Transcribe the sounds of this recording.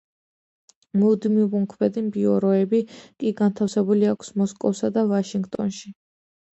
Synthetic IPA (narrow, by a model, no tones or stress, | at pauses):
mud̪mivuŋkʰvɛd̪imbiɔɾɔɛbikʼiɡant̪ʰafsɛbuliakʰsmɔskʼɔfsad̪avaʃiŋɡt̪ʼɔ̰nʃi